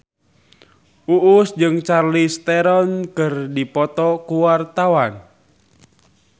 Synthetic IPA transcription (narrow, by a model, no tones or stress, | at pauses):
uʔʊsd͡ʒɨŋt͡ʃarlist̪ɛɾɔnkərdipɔt̪ɔkuwart̪awan